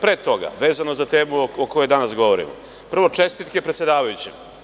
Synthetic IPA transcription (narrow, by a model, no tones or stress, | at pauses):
pɾet̪o̞ɡa̰ʋe̞ːzano̞zat̪e̞ːmuokojod̪anasɡo̞ʋoɾḭmo̰ | pr̩ʋo̞t͡ʂe̞st̪it̪kepɾet̪sjed̪aːʋajut͡ɕḭ